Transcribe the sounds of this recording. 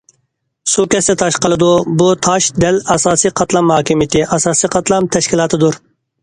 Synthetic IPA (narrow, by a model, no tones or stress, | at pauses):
sukʲɛsd̪ɛt̪ʰɑʃqəlˠɨd̪ubut̪ʰɑʃd̪ɛlɑsɑːsiqʰɑt̪lˠɑmhɑːkʲimit̪ʰɪʔɑsɑːsiqʰɑt̪lˠɑmt̪ʰɛʃkʲilˠɑːt̪ʰɨd̪uɾ